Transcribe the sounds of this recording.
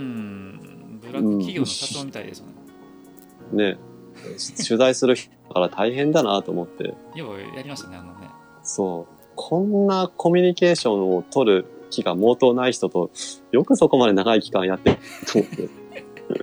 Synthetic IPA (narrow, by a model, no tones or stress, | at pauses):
ɯ̟̃ɴ | ne̞ | ɕɨzaisɨɾɯ̟çi̥t̪ | kaɾat̪ʰaiɦẽ̞nd̪anat̪o̞ːmo̞t̪ːe̞̰ | so̞ː | kʰõ̞nːako̞mʲiɲ̟ike̞ːɕõ̞ɰ̃o̞t̪o̞ɾɯ̟kʲiɡamo̞ːt̪o̞ːnaiçi̥t̪o̞t̪o̞jo̞kɯ̟so̞ko̞mad̪e̞naɡaikʲi̥kãɰ̃jat̪ːekɯt̪oːmot̪ːe̞̰